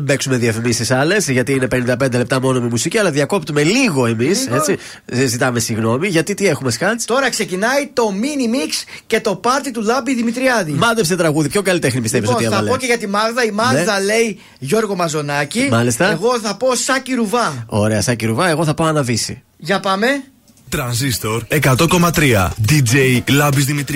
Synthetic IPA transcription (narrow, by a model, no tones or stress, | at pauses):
be̞ksume̞ðiɐfimisisɐle̞sʝɐt̪iine̞pe̞nind̪ɐpe̞nd̪e̞le̞p̚t̪ɐmo̞no̞mimusiciɐlɐðʝɐko̞p̚t̪ume̞liɣo̞e̞mise̞t͡si | zit̪ɐme̞siɣno̞miʝɐt̪it̪ie̞xume̞skɐt͡st̪o̞ɾɐkse̞cinɐit̪o̞minimiks | ce̞t̪o̞pɐɾt̪it̪ulɐbiðimit̪ɾiɐðimɐðepset̪ɾɐɣuðipço̞kɐlit̪exnipist̪evisot̪iɐɐloce̞ʝɐt̪imɐɣðɐimɐɣðɐle̞i | ʝo̞ɾɣo̞mɐzo̞nɐcimɐlist̪ɐeɣo̞θɐpo̞sɐciɾuvɐo̞̰ɾe̞ɐsɐciɾuvɐe̞ɣo̞θɐpoɐnɐvisḭ | ʝɐpɐme̞ | t̪ɾɐnsist̪oɾe̞kɐt̪o̞ko̞mɐt̪ɾiɐ̰d̪id͡ʒeilɐbizðimit̪ɾ